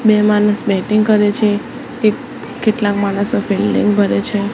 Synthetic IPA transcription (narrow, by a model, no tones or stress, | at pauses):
bemanəsbɛʈiŋɡkəɾet͡ʃʰe | ke | keʈlakmanəsofilːḭŋɡbʱəɾet͡ʃʰe